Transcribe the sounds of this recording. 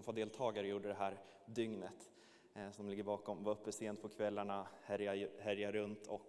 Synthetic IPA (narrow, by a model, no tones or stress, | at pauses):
nfɔd̪eːlt̪ʰɑːɡaɾəjuːɖəd̪ɛɦæːɾ | d̪ʏŋnət̪ | sɔɔmlɪɡːəɾbɑːkɔmvaɵpːəseːnd̪pʰɔkʰvɛlːaɳahɛɾjahɛɾjaɾɵnt̪ʰɔk